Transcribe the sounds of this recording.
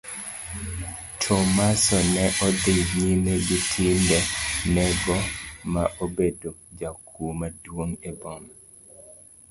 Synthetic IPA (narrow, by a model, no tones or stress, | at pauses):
tʰɔmasɔnɛʔɔd̪ɪɲimeɡitʰɪndɛnɛɡɔmaʔobedod͡ʒakʰumadwoŋebɔn